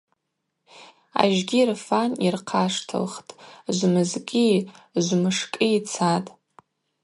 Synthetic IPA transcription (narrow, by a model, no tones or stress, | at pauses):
a̰ʒɡʲirfanirqʰaʂtʰɨ̰lχtʼʒʷmɨzkʲʼiʒʷmɨʂkʼiit͡sʰatʼ